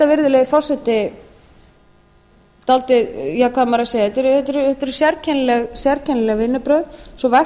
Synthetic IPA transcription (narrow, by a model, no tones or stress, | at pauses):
t̪avɪɾðʏlɛːjɣɪfɔwr̥sɛt̪ɪ | t̪alt̪ɪðjɛɣkʰvaðmaɾasejɛt̪ːɾʏθɛt̪ɪɾʏhɛt̪ɪɾʏ̥sjɛɾcʰɛnlɛɣsjɛɾcʰɛnlɛɣvɪnːʏpɾœɥðsɔvaj